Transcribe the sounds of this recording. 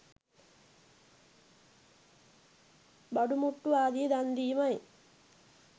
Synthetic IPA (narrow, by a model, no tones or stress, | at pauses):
bɐɖumuʈːuaːd̪id̪ɐnd̪iːmɐj